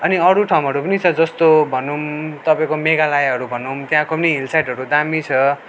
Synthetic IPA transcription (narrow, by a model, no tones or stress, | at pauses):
ʌniʌɾuʈʰawmɦʌɾupʌnit͡sʰʌd͡zʌst̪obʱʌnumt̪ʌpãĩkomeɡalajɦʌɾubʱʌnumt̪jãkopʌniilsajʈɦʌɾud̪amit͡sʰʌ